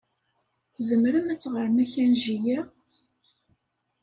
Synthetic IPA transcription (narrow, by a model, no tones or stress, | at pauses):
θzəmɾəmæt͡sːʁəɾmæçænʒijæ